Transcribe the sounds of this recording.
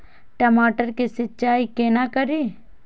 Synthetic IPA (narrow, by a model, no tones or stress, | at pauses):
ʈɐmaːʈəɾkisɪtːt͡ʃaːikenakəɾi